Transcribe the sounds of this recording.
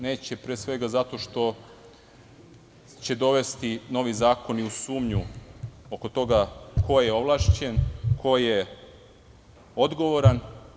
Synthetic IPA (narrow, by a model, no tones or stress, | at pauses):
ne̞ːt͡ɕe̞pɾesʋe̞ɡazat̪o̞ʃt̪o̞ | t͡ɕe̞d̪o̞ʋe̞st̪ino̞ʋizaːko̞niusuːmɲuo̞ko̞t̪o̞ɡako̞jeo̞ʋlˠaʃt͡ɕe̞nkʰo̞je | o̞d̪ɡo̞ʋo̞ɾan